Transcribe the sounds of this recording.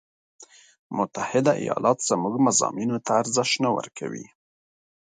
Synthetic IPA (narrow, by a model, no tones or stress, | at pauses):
mʊt̪ahɪd̪aʔḭjɑlʔɑt̪z̥amuɡmazɑminot̪ʰaːɾzɪʃnawə̰ɾkʰawḭ